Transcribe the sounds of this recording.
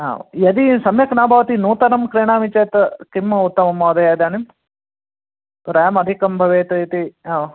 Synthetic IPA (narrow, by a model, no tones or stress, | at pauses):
a̰ːʋ̰jɐd̪isɐmjɐknaːbʱaːʋɐt̪inuːt̪ɐnɐmkɾeːɳaːmit͡ʃeːt̪ɐkimːɐut̪ːɐmɐmːɐːd̪ɐjaːd̪aːnim | t̪uɾɐjɐmɐd̪ʱikɐmbʱɐʋeːt̪ɐt̪iaː